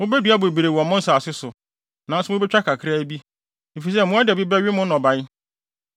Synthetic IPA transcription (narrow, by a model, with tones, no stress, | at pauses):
mʊ̃˦bɛ˦dɥa˦bʊ˨bi˨ɾe˨wɔ̃˨mʊ̃˦n̩˦saː˨sɪ˦sʊ˨ | nã˨n̩˦sʊ˦mʊ̃˦bɛ˦t͡ɕᶣa˦kʰa˨kʰɪ˦ɾa˦bi˦ | e˨fi˨s̬ɛ˦mʊ̃˦a˦dɪ˨bi˦bɛ˦ɥɪ˦mʊ̃˦nɔ̃˨ba˨j